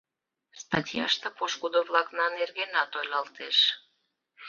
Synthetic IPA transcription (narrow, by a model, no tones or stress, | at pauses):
st̪ɑtʲjɑ̰ʃt̪ɤpoʃkud̪ovlɑknɑnerɣenɑt̪ojlʲɑlt̪eʃ